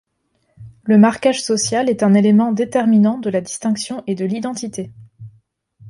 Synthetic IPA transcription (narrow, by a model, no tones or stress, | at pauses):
ləmaʁkʲaʒsɔsjalɛt̪ɛ̃nelemɑ̃d̪et̪ɛʁminɑ̃d̪əlad̪ist̪ɛ̃ksjɔ̃ʔed̪əlid̪ɑ̃t̪it̪e